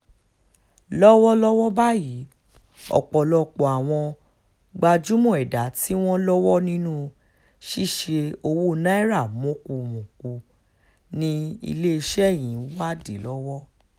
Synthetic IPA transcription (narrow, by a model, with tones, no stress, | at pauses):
lɔ˦wɔ˦lɔ˦wɔ˦ba˦ji˨˦ | ɔ̰˨k͡pɔ˨lɔ˨k͡pɔ˨a˨w̃ɔ̃˧ | ɡ͡ba˧d͡ʒu˦mũ˦˨ɛ˨da˨˦ti˦w̃ɔ̃˦lɔ˦wɔ˦nĩ˦nũ˦ | ʃi˦˨ʃe˧o˧wo˦nã˦i˦ɾa˦˨mõ˨˦ku˧mũ˨ku˧ | nĩ˦ḭ˧le˦i˧ʃɛ˦˨j̃ĩ˨˦wa˦di˨˦lɔ˦wɔ˦